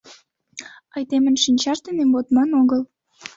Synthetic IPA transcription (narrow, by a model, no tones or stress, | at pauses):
ɑjt̪emə̆nʃinʲt͡ɕɑʃd̪enembot̪mɑnoɣəl